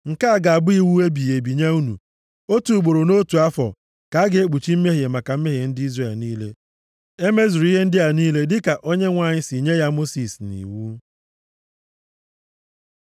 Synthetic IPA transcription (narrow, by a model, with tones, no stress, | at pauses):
ŋ̩˨ka˦˨ɡa˨a˨bʊ˦i˦wu˦e˦bi˨je˨bi˨ɲa˦u˦nṵ˨ | o˦tu˨ɡ͡bo˨ɾo˨no˦tu˨a˦fɔ̰˨ | ka˨a˦ɡe˨e˦k͡pu˨t͡ʃi˦m̩˦me˦ɦe˨ma˨ka˨m̩˦me˦ɦe˨n̩˦dɪ˦i˦zre˨lniː˦lḛ˦ | e˦me˦zu˨ɾi˦ɦe˦n̩˦dɪ˦a˨niː˦le˦dɪ˦ka˨ʔo˦ɲe˦ŋʷa˨ɲɪ˦si˨ɲe˦ja˦mo˦si˨snḭ˨wu˦